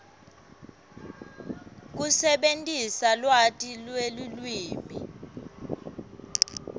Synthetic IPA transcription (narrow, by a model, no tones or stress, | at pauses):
k̬usɛɓentʼisalwatʼilwelulwiːmi